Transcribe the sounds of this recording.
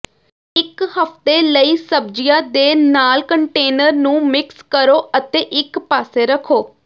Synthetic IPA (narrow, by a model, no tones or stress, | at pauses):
ɪkhəft̪eːləiːsəbd͡ʒijãːd̪eːnaːlkəɳʈeːnəɾnũːmɪkskəɾoːʔət̪eːʔɪkpaːseːɾəkʰoː